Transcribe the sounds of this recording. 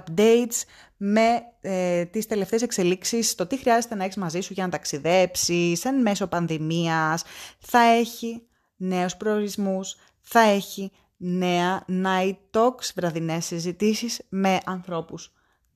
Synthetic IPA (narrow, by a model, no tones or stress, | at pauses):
pd̪e̞jt̪s | me̞ | t̪ist̪e̞le̞ft̪esekse̞liksist̪o̞t̪ixɾiɐzest̪e̞nɐeçizmɐzisuʝɐnɐt̪ɐksiðe̞psisenme̞so̞pɐnðimiɐsθɐe̞çi | ne̞ospɾo̞oɾizmus | θɐe̞çi | ne̞ɐnɐit̪o̞ksvɾɐðine̞sizit̪isizme̞ʔɐnθɾo̞pus